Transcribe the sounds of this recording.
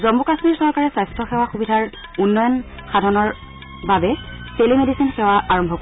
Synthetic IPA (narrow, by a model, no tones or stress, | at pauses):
zɔmbukasmiɹsɔɹkaɹɛsajstʰɔxɛwaxubidʱaɹunːɔjɔnxadʱɔnɔɹ | babɛselimedisinxɛwaʔaɹɔmbʱɔk